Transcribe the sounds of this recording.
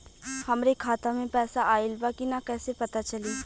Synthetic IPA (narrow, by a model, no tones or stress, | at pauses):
hɐmɾekʰaːt̪amẽpɛːsaʔaːɪlbaːkinakɛːsepɐt̪at͡ʃɐliː